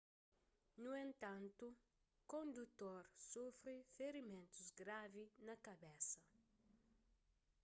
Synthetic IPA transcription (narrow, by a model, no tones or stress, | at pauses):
nuẽnt̪ɐ̃nt̪u | kõnd̪ut̪oɾsofɾifeɾimẽnt̪uzɡɾavinɐkɐbɛsɐ